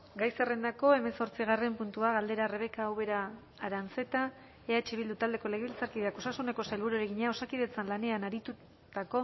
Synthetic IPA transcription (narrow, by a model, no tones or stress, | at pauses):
ɡajsere̞nd̪ako̞e̞me̞so̞ɾt͡siɣare̞mpunt̪uaɣald̪e̞ɾare̞β̞e̞kaːwβe̞ɾaː | ɾant͡se̞t̪a | eat͡ʃiβild̪ut̪ald̪e̞ko̞leɣeβilt͡saɾkiðeako̞sasune̞ko̞salβuɾueɾeɣiɲeao̞sakiðe̞t͡sanlane̞anaɾit̪u | t̪ako̞